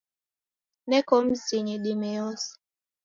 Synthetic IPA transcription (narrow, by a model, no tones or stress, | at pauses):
nɛkɔm̩siɲiɗimɛɔs